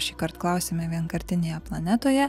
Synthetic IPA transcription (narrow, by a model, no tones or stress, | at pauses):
ʃʲiːkɐɾt̪klˠɐˑʊsʲeːmʲɛʋʲiɛnkɐɾʲt̪ʲɪnʲeːjɛplˠɐnʲæt̪oːjɛ